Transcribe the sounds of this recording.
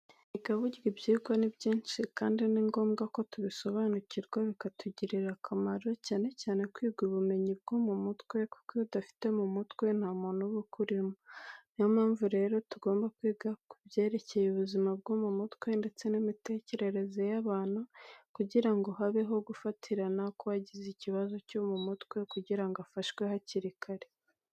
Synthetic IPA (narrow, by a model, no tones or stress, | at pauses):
iɡaβuɟiɾibɟiːɡwanibɟiːnt͡ʃikaːndiniŋɡo̞ːmɡako̞tuβiso̞βaːnuciɾɡwaβikatʰuɟiɾiɾakʰamaɾo̞caːne̞caːne̞kwiːɡwiβume̞ɲib̚ɡ̥umumutkwe̞ku̥koudafi̥te̞mumutkwe̞n̥hamuːn̥uβukuɾimunjamaːɱvuɾe̞ːɾo̞tuɡo̞ːmbakwiːɡakubje̞ːɾe̞ce̞juβuzimab̚ɡuːmumutkwe̞nde̞t͡se̞nimite̞ːce̞ɾe̞ɾe̞ze̞jaβaːnukuɟiɾaŋɡoɦaβeɦo̞ɡufatʰiɾanakoaɟiziciβazo̞comumutkwe̞kuɟiɾaŋɡoafaʃkwe̞haciɾikʰaɾe̞